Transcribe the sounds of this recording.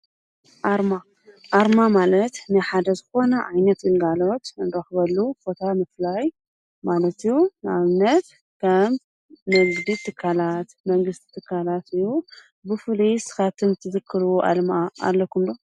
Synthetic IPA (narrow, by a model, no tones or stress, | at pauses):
ʔaɾma | ʔaɾmamalɐt̪nɨjħad̪ɐzɨxo̞nɐʔajnɐt̪ɨŋɡalo̞t̪ɨndɐxɨβɐlːubo̞t̪ʰamɨflaj | malɐt̪ijːunɨa̰βɨnːɐt̪ | kʰɐm | nɨɡd̪it̪ʰɨkʰːalat̪mɐŋɡɨst̪ʰi̥t̪ʰɨkʰːalat̪ɨjːu | bɨfɨlisɨ̥xat̪ʰɨmt̪ʰɨzɨkʰːɨɾʔa̰lmaa̰lːɐkʰumd̪o